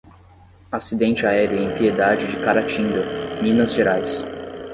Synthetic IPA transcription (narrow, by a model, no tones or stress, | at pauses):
asid̪ẽnt͡ʃɪaɛɾʊẽj̃pied̪ad͡ʒɪd͡ʒɪkaɾat͡ʃĩnd̪ɐmĩnɐzʒeɾajs